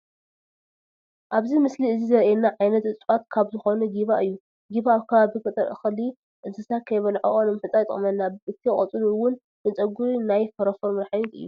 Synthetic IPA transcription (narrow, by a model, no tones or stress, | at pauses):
ʔaβzimɨsliɨzizɐɾɛnːaʕajnɐt̪ɨt͡sʼat̪kʰaβzɨxo̞nɐɡiβaʔɨjːu | ɡiβaːβkʰɐβaβifɐt̪ʼɐɾʔɨ̰xli | ʔɨzɨsat̪̚kʰɐjβɐlʕoʔʼonɨmħɨt͡sʼajt̪ʼɨ̰χʼmɐnːaɨt̪ʰiχʼɐt͡sʼɨluwʊn | bɨnt͡sʼɐɡuɾinajfɐɾɐfoɾmɐɾħajet̪ɨ̰jːu